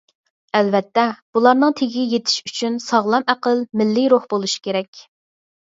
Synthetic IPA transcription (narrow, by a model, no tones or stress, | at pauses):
ɛlvɛt̪ːɛb̥ulˠɑɾnɨŋt̪ʰeɡʲijet̪ʰɪ̥ʃyt͡ʃʰynsɑʁlˠɑmæqəlmɪlːɪɾoχbolˠuʃi̥kʲeɾɛkʲ